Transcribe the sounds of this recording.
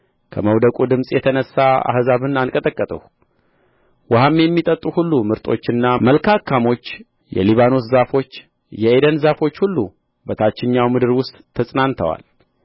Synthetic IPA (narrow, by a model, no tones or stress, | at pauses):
kʰəməwd̪əkʼud̪ɨmsʼjɛt̪ʰənəsːaa̰hzaβɨnankʼət̪ʼəkʼːət̪ʼəh | wahamjɛmːit̪ʼət̪ʼːuhulːumɨɾt̪ʼo̞̰t͡ʃːɨnːaməlkʰakʰːamo̞t͡ʃː | jɛ̰liβano̞szafo̞t͡ʃː | jɛʔed̪ənzafo̞t͡ʃːhulːu | bət̪ʰat͡ʃːɪɲːawmɨd̪ɨɾwʊst̪ʼʰːəsʼnant̪ʰəwa̰l